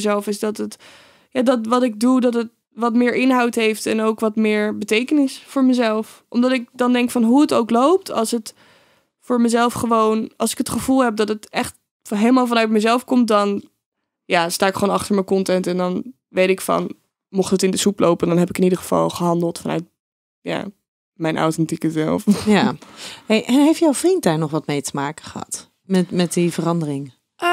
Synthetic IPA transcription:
zɛlˠfɪzdɑtət | jaːdɑtʋɑtɪɡ̚dudɑtət̚ | ʋɑtmɪːɹʔɪnɦɑwtɦejftɛnowkʋɑtmɪːɹbətejkənɪsfʊːɹməzɛlˠfʔɔmdɑtɪk̚dɑndɛŋkfɑnɦuətowklowp̚tʰɑ̰lˠsət | fʊːɹməzɛlˠfχəʋownʔɑ̰lˠsɪkɦətχəv̥ulˠɦɛp̚dɑtətɛχt | ɦejləmaːlˠvɑnœɥt̚məzɛlˠfkɔmt̚dɑn | jaːstaːɪkχəʋonɑχtəɹməjkɔntɛntɛndɑn | ʋejtɪkfɑ̰n | mɔχtətɪ̃ndəsuplowpəndɑnɦɛpɪkɪnidəχəv̥ɑ̰lˠχəɦɑndəlˠtfɑnœ̰ɥt̚ | ja̰ː | mɛjnʔa̰wtɛntikəzɛlˠfjahejʔɛnɦejftjawvrint̚daːɹnɔχʋɑtmejtəmaːkəχəɦɑ̰t | mɛtmɛt̚divərɑndərɪŋ

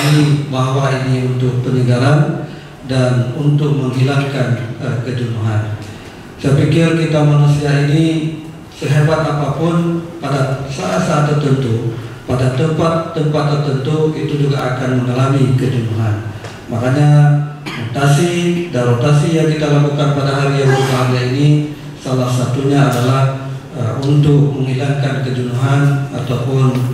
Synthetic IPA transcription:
ibaɦawainiunt̪ʊk̚pəniɡalan | danunt̪ʊk̚məŋɦilaŋkanəkəd͡ʒunuɦan | səpikɪrkit̪amanusiaini | səɦebat̪apapʊnpadasaʔat̪̚saat̪ːərt̪ənt̪upadat̪əmpat̪ːəmpat̪ːərt̪ənt̪uit̪ud͡ʒuɡaakanməŋalamikəd͡ʒunuɦan | makaɲarot̪asidanɾot̪asijaŋkit̪alakukanpadaɦaɾijaŋbəɾupaɦaliaini | salahsat̪uɲaːdalah | unt̪ʊk̚məŋilaŋkankəd͡ʒunuɦana̰t̪awpʊn

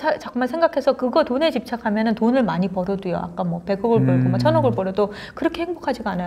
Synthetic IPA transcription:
at͡ɕakɯmansʰe̞ŋɡakʰe̞sʰʌkɯɡʌtone̞t͡ɕip̚t͡ɕʰakʰamjʌnɯntonɯɭmaɲipʌɾʌdujo̰a̰k͈amwʌpe̞ɡoɡɯɭpʌɭɡomʌt͡ɕʰʌnʌɡɯɭpʌɾʌdo | kɯɾʌkʰe̞heŋbokʰad͡ʑiɡaanajo

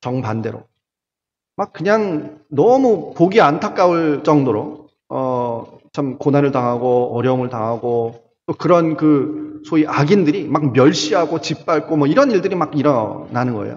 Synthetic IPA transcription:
t͡ɕʌŋpande̞ɾo̰ | mak̚k͈ɯɲaŋnʌmupoɡiantʰak͈auɭt͡ɕ͈ʌŋdoɾo | ʌt͡ɕʰamkonanɯɭtaŋɦaɡoʌɾjʌumɯɭtaŋɦaɡo | t͈okɯɾʌnkɯsʰoiʔaɡindɯɾimak̚mjʌɭɕ͈iɦaɡot͡ɕip͈̚aɭk͈omʌiɾʌniɭdɯɾimakiɾʌnanɯnɡʌ̰ḛjo̰

